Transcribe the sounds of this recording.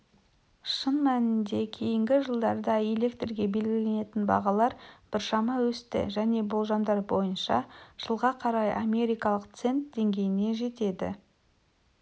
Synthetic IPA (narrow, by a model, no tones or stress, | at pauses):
ʃənmænɪnd̪e̞kʲʰe̞jɪŋɡʲɪʒəlˠd̪ɑɾd̪ɑe̞le̞kt̪rɡʲe̞be̞lɡʲɪle̞ne̞t̪ɪnbɑ̰ʁɑlˠɑɾb̥ɪɾʃɑmɑwɵst̪ɪ̰ʒæne̞bolˠʒɑmd̪ɑɾbo̞jənʃɑ̰ʒ̥əlˠʁɑqʰɑɾɑjʔamʲe̞ɾʲijkɑlˠəqt̪se̞nt̪d̪̥e̞ŋɡʲe̞jɪne̞ʒe̞t̪e̞d̪ɪ̰